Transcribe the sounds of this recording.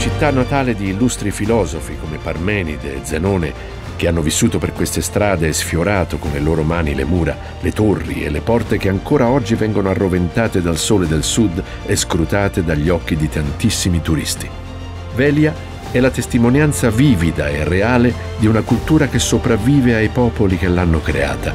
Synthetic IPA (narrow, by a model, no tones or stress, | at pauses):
t͡ʃit̪ːanːat̪aːled̪iːlːust̪ɾifilɔːzofikomeparmɛːnid̪ḛːd̪zenoːnḛ | k̟eanːovisːuːt̪operkwest̪est̪ɾaːd̪esfjoɾaːt̪okonleloːɾomaːnilḛmuːɾa̰ | let̪orːḭḛlːepɔrt̪ek̟eaŋkoːɾaɔd͡ʒːivɛŋɡonoarːovent̪aːt̪ed̪alsoːled̪elsud̪ | eskɾut̪aːt̪ed̪aʎːɔk̟ːid̪it̪ant̪isːimit̪uɾḭst̪i̥ | vɛlja | ɛlːat̪est̪imonjant̪saviːvid̪aerːeaːle | d̪iunakult̪uːɾak̟esːopɾavːiːveajpɔːpolik̟elːanːokɾḛa̰ːt̪a